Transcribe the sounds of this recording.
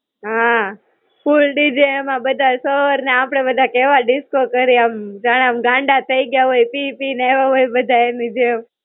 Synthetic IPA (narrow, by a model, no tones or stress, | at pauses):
ɦã | kulɖid͡ʒemãbəd̪ʱasoʋəɾneapɽ̃ebəd̪ʱakeʋaɖɪskokəɾiamd͡ʒaɽ̃amɡãɳɖat̪ʰəiɡjaɦojpipineʋaɦoibəd̪ʱaenid͡ʒem